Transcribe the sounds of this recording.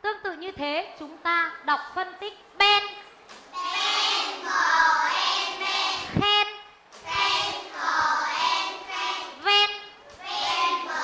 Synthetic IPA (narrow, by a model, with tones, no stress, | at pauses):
t̪ɨ˧əŋt̪ɨ̰˧˨ɲɨ˧t̪ʰe˨˦t͡ɕʊ˨˦ŋ͡mt̪aː˧ɗa˨˩wk͡p̚fə˧nt̪ï˦˥k̟̚ɓe˧n | xɛ˧n | vɛ˧n